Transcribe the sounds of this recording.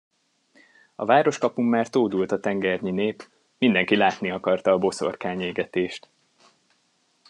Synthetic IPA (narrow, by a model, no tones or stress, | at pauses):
ɒ̰vaːɾo̞ʃkɒpumːaːrt̪oːd̪ult̪ɒt̪ɛŋɡɛrɲineːp | mind̪ɛŋkilaːt̪niɒkɒrt̪ɒːbo̞so̞̰rkaːɲeːɡɛt̪eːʃt̪